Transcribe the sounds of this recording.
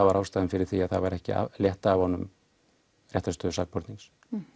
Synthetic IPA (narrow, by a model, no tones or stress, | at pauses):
avaɾawst̪aːðnfɪɾɪɾ̥θiaðθavaɾɛhcɪ̰a̰ljɛht̪aːvhɔnːʏm | rjɛht̪ast̪œːðʏsak̚pʰɔɾt̪niŋs